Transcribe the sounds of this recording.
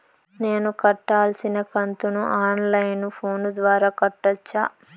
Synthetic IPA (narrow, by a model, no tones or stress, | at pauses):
ne̞ːnukɐʈːaːlsinɐkɐnt̪unuʔaːnlɐjnupʰoːnud̪ʋaːɾaːkɐʈːɐt͡ʃːa̰ː